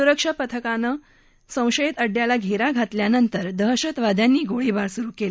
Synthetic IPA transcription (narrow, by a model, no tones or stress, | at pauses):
uɾəkʂapət̪ʰəkanə | sə̃w̃ɕəjet̪əɖjalaɡʱeɾaɡʱat̪ljanənt̪əɾd̪əɦɕət̪ʋad̪ʱjanːiːɡoɭibaɾsuɾuːkel